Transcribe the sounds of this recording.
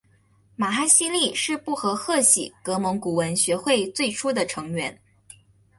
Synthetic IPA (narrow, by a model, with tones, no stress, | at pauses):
ma˨˩xa˥˧ɪɕi˥li˥˩ʂɻ̩˥˧pu˥˩xɤ˧˥xɤ˥˩ɕḭ˨˩kɤ˧˥mɤ˧˥ŋku˨˩wə˧˥nɕɥɛ˧˥xwe˥˧ɪt͡swe˥˩ɪʈ͡ʂʰu˥d̪ə˨ʈ͡ʂʰɤ˧˥ŋɥɛ˧˥n